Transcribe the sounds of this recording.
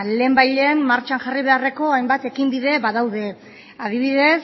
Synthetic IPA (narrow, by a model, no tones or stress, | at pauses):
le̞ːmbajʎenmaɾt͡ʃaŋʝariβe̞are̞ko̞ajmbat̪e̞kimbiðe̞βaðawðe̞ | að̞iβ̞iðe̞s